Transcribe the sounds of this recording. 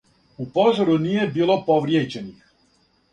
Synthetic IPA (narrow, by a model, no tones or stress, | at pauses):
upo̞zoɾunije̞biːlˠo̞poʋɾjeːd͡ʑenix